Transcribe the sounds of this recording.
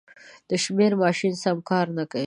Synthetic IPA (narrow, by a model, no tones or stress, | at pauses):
d̪̥əʃmeɾmɑʃinsamkɑɾnakai